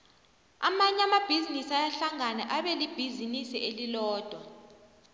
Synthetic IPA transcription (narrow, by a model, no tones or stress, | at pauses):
a̰maɲamab̥ʱizinisajaɬaŋanɛʔaɓɛlib̥ʱizinisiʔelilɔːd̥ʱwa